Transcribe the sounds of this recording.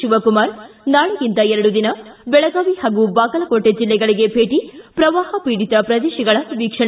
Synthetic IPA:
uʋɐkumaːɾnaːɭuɡint̪ɐɛɾɐɽud̪inɐbɛɭɐɡaːʋihaːɡubaːɡɐlɐkoʈːed͡ʒilːɛɡɐɭiɡebʱeːʈipɾɐʋaːhɐpiːɽit̪ɐpɾɐd̪eːʃɐɡɐɭɐʋiːkʂɐ

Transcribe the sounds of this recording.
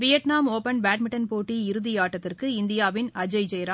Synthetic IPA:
ʋɪjɐʈnaːmoːpɐnbaːʈmɪʈːɐnpoːʈːiɪɾɯðijaːʈːɐt̪ːɪrkɯɪnd̪ɪjaːʋɪnɐd͡ʒɐɪd͡ʒɛjɾa

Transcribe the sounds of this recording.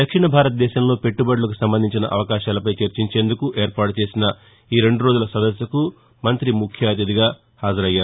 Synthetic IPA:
d̪ɐkʂiɳɐbʱaːɾɐt̪ɐd̪ɛːʃɐmlo̞ːpe̞ʈːubɐɽulɐkusɐmbɐnd̪ʱiɲt͡ʃinɐ̰ʔɐʋɐkaːʃaːlɐpɐjt͡ʃeɾt͡ʃiɲt͡ʃe̞ːnd̪ukuʔe̞ːɾpaːʈut͡ʃe̞ːsinɐ | iːɾe̞ɳɖuɾo̞ːd͡ʒulɐsɐd̪ɐsjɐku | mɐnt̪ɾimukʰjaːt̪̬jɐd̪iɡaː | haːd͡ʒɐɾɐjːaːɾu

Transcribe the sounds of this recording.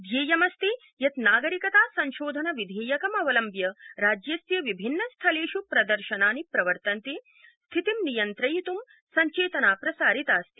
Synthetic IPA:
d̪ʱjeːjɐmɐst̪i | jɐt̪naːɡɐɾikɐt̪aːsɐɲʃoːd̪ʱɐnɐʋid̪ʱeːjɐkɐmɐʋɐlɐmbjɐɾaːd͡ʒjɐsjɐʋibʱinːɐst̪ʰɐleːʃupɾɐd̪ɐɾʃɐnaːnipɾɐʋɐɾt̪ɐnt̪i | st̪ʰit̪imnijɐnt̪ɾɐjit̪um | sɐɲt͡ʃeːt̪ɐnaːpɾɐsaːɾit̪aːst̪i̥

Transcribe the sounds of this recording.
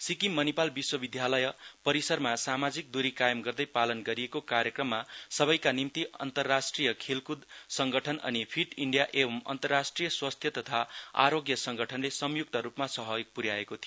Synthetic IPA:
sikimːʌnipalbiswʌbid̪ʱjalʌjʌpʌɾisʌrmasamad͡zik̚d̪uɾikajʌmɡʌrd̪ʌjpalʌnɡʌɾiekokaɾjʌkrʌmːasʌbʌjkanimt̪iʌ̰nt̪ʌrːasʈrijʌkʰelkud̪sʌŋɡʌʈʰʌnʌ̰nipʰiʈiɳɖijaʔebʱʌmʌ̰nt̪ʌrːasʈrijʌswast̪ʰjʌt̪ʌt̪ʰaa̰ɾoɡjʌsʌŋɡʌʈʰʌnlesʌmjuk̚t̪ʌɾupmasʌɦʌjk̚puɾjaekot̪ʰijo

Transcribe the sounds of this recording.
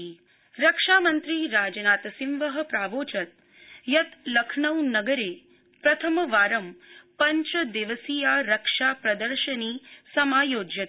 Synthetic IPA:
ɾɐkʂaːmɐnt̪ɾiːɾaːd͡ʒɐnaːt̪ɐsimʋɐɦɐ̆pɾaːʋoːt͡ʃɐt̪̚ | jɐt̪lɐkʰɳɐwnɐɡɐɾeː | pɾɐt̪ʰɐmɐʋaːɾɐmpɐɲt͡ʃɐd̪eʋɐsijaːɾɐkʂaːpɾɐd̪ɐɾʃɐniːsɐmaːjoːd͡ʒjɐt̪

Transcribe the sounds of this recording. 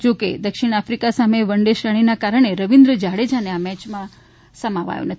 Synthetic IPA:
d͡ʒokḛd̪əkʃiɽ̃afɾikasameʋəɳɖeʃɾəɽ̃inakaɾɳ̃eɾəʋind̪ɾəd͡ʒaɽed͡ʒaneamɛt͡ʃmã | səmaʋa̰jo̰nət̪ʰ

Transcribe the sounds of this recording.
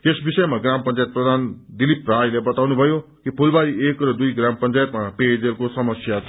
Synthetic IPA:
t̪esbisʌjmaɡrampʌnt͡sajt̪̚prʌd̪ʱand̪iliprajlebʌt̪awnubʱʌjokipʰulbaiekrʌd̪ujɡrampʌnt͡sajt̪maped͡zerkosʌmʌsja

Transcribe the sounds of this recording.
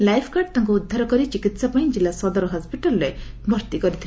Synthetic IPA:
lajpʰkaɖt̪ãŋkuːd̪ʱːaɾɔkɔɾit͡ʃikit̪sapãĩd͡ʒilːasɔd̪ɔɾɔɦɔspiʈɔlːebʱɔɾt̪ikɔɾit̪ʰi

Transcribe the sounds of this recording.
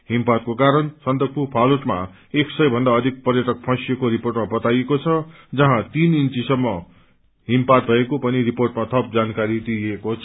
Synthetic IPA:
ɦimpat̪̚kokaɾʌnsʌnt̪ʌk̚pupʰaluʈma̰ | eksʌjbʱʌnd̪aʌd̪ʱik̚pʌrjʌʈʌk̚pʰʌ̃sijekoɾiporʈmabʌt̪ajekot͡sʰʌ | d͡zʌɦãt̪inint͡sisʌmːʌ | ɦimpat̪̚bʱʌekopʌniriporʈmat̪ʰʌp̚d͡zankaɾid̪iekot͡sʰ

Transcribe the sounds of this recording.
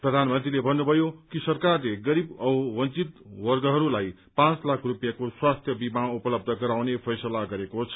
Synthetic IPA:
prʌd̪ʱanmʌnt̪rilebʱʌnːubʱʌjokisʌrkarleɡʌɾibʌwʌnt͡sit̪wʌrɡʌɦʌɾulaj | pãt͡slakʰrupjakoswast̪ʰjʌbimaupʌlʌb̚d̪ʱʌɡʌɾawnepʰʌjsʌlaɡʌɾekot͡sʰʌ̥

